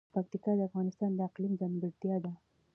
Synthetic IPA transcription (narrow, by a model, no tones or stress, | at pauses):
pak̚t̪ikɑd̪əafɣɑnɪst̪ɑnd̪əɪqlimzanbɪɾt̪jɑd̪a